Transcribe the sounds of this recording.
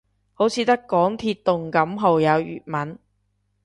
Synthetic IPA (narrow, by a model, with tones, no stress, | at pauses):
ho˨˥wt͡sʰiː˨˧t̪ɐ˥kːɔː˨˥ŋt̪ʰiː˧tt̪ːʊ˨ŋkɐ˨˥mɦo˨wjɐ˨˧wjy̰ː˨t̚mɐ˨˥n